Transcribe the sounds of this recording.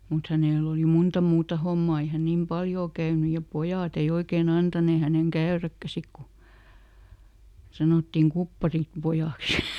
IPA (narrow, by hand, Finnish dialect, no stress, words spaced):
mut hæneˑl oli muntɑ muːtɑ homːɑː ei hæ nim pɑljoː kæyny jɑ pojɑˑt ei oikeːn ɑntɑneː hæneŋ kæørækːæ sik ku sɑnoˑtːim kupːɑrim pojɑˑks